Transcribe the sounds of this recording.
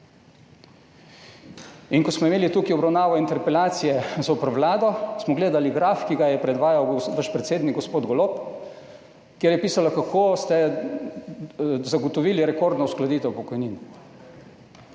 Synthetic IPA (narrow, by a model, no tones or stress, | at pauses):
inkɔsmɔimeːlit̪uːkiɔbɾawnaːʋɔint̪ɛɾpɛlaːt̪sijɛzopɾʋlaːd̪ɔsmɔɡleːd̪aliɡɾaːfkiɡajɛpɾɛd̪ʋaːjawɡʋaʃpɾɛt̪seːd̪niɡɔspoːd̪ɡɔlop | kjeɾjɛpiːsalakakʰost̪ɛ | zaɡot̪ɔʋiːliɾɛkoːɾd̪nɔwsklad̪iːt̪ɛwpɔkɔjniːn